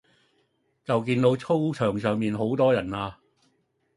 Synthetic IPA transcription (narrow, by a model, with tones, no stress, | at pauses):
t͡sɐ˨wk̬iː˧nt̪o˨˧wt͡sʰo˥wt͡ʃʰœː˨˩ŋsœː˨ŋmiː˨nɦo˨˥wt̪ɔː˥jɐ˨˩naː˧